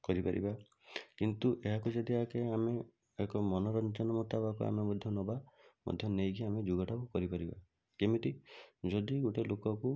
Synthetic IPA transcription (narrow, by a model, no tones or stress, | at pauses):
kɔɾipaɾḭba | kint̪uʔeɦakud͡ʒad̪iɦakeame | ekɔmɔnɔɾɔnt͡ʃɔnɔmɔt̪abakua̰memɔd̪ʱjɔnɔbamɔ̰d̪ʱjɔnejɡiamed͡ʒuɡɔʈʰakukɔɾipaɾiba̰ | kemit̪id͡ʒɔd̪iɡoʈelokɔku